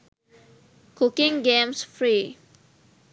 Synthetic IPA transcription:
kʊkɪ̃ŋɡẽmsfɾi

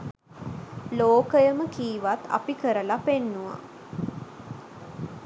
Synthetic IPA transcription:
loːkəjəməkiːʋat̪a̰pikəɾəlapenːuʋa̰

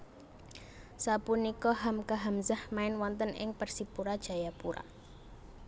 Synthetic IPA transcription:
sapunikɔɦamkaɦamzahmaɪnwɔnt̪ənɪ̰ŋpərsipuɾad̥ʒ̥a̤japuɾa̰

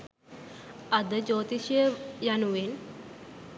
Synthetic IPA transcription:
ad̪əd͡ʑot̪iɕəjanuʋen

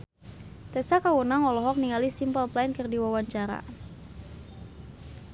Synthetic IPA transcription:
t̪ɛsakawunaŋɔlɔɦɔk̚niŋalisimpəlplaɪnkɨrdiwawaɲt͡ʃaɾa̰

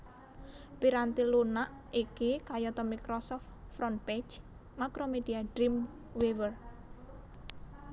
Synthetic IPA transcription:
piɾant̪ilunaʔ | ikekajɔt̪ɔmikɾɔsɔft̪fɾɔnped͡ʒ | makɾomed̪̥iaɖ̥ɾim | wewər

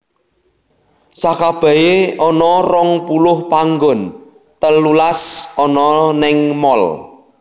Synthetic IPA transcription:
sakab̥a̤eɔnɔrɔŋpulʊhpaŋɡʊn | t̪əlːulasɔnɔnɪŋmɔl

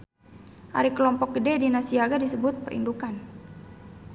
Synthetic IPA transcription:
ʔa̰ɾikəlɔmpɔk̚ɡədɛdinasiaɡadisəbʊt̪̚pəɾʔḭndukan

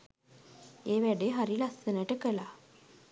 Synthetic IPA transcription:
eːʋæɖeːɦaɾilasənəʈəkəlaː

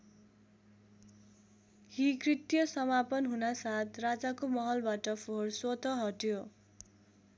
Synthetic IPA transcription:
hikrit̪jʌsʌmapʌnɦunasat̪ʰrad͡zakomʌɦʌlbaʈʌpʰorswot̪ʌɦʌʈjo

